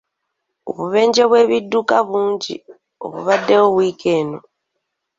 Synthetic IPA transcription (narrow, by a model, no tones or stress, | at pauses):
o̰βuβe̞ːɲd͡ʒeβwe̞ːβidːukaβuːɲɟḭ | o̰βṵβadːewoβwiːke̞ːno̞